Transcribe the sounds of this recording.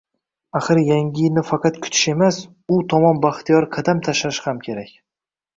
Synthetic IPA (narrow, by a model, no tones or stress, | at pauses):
aχɨɾjaŋʲɪnɪfɑqɑt̪kʰʊ̥t̪ʰɪ̥ʃe̞mas | ʊt̪ʰɒmɒnbaχt̪ʰijɒɾqʰɑd̪amt̪ʰaʃaʃhamkʲʰe̞ɾakʲ